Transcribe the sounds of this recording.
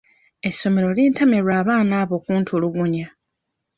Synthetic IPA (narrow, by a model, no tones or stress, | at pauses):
e̞sːo̞me̞ɾo̞liːntame̞ɾwaːβaːnaːβo̞ːkuːntʰuoluɡuɲa